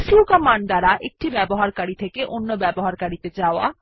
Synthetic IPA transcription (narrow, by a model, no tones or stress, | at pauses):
sukɔmaɳd̪aɾaʔek̚ʈibɛboɦaɾkaɾit̪ʰekeʔonːobɛboɦaɾkaɾit̪ed͡ʑaoa̰